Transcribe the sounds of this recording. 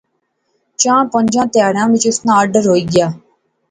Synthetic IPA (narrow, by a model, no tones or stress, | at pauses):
t͡ʃãːpə̃ɲd͡ʒãːt̪jaːɽãːʋɪt͡ʃʊsnãːəɖəɾɦoːiːɡɪjaː